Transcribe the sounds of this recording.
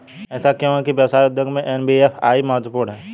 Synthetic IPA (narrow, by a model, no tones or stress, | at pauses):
ɛːsakjõɦɛkiʋjɐʋsaːjʊd̪jəɡmẽʔɛːnbiefʰa̰ːimɐɦət̪ːəpuːɽɦɛː